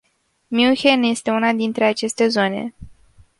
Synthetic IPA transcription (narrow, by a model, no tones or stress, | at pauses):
mjuxenje̞st̪e̞unad̪int̪ɾe̞at͡ʃe̞st̪e̞zo̞ne̞̰